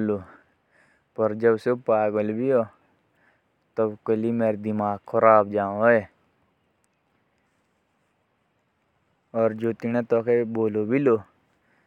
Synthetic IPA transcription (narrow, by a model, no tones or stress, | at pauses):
lo | pɐɾd͡ʒɐbsopaːɡəlbʱioː | t̪ɐbkəlimeːɾed̪imaːɡkʰɐɾaːbd͡ʒãːe | ɔːɾd͡ʒoːt̪iñẽt̪ɔːkeboːlobʱiloː